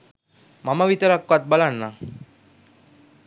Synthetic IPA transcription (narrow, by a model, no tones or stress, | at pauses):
mamaʋit̪əɾakʋat̪̚balanːa